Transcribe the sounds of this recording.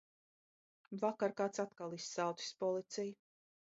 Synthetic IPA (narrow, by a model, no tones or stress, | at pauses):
vakaɾkaːt̪sat̪kalˠisːawt̪i̥spɔlˠit̪sij